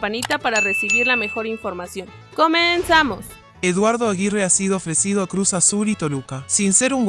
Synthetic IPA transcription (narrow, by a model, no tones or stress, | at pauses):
panit̪apaɾare̞siβiɾlame̞xo̞ɾiɱfo̞ɾmasjo̞ŋ | ko̞mensamos | eðwaɾðoaɣireasiðoofɾesið̞oakɾusasulit̪o̞lukasinse̞ɾuŋ